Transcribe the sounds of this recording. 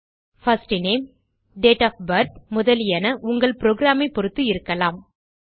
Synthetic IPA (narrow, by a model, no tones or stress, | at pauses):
fɐsʈneːm | ɖeːʈaːfbɐɾt̪mʊðɐlɪjɐnɐʔʊŋɡɐɭpɪɾoːɡɾaːmɐɪpːɔɾɯt̪ːɯɪɾɯkːɐlaːm